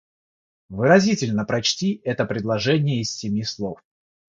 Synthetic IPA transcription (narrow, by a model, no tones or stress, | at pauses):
vɨɾɐzʲitʲɪlʲnəpɾɐt͡ɕtʲiɛt̪əpɾʲɪdlˠɐʐɛnʲɪjəɪsːʲɪmʲislˠof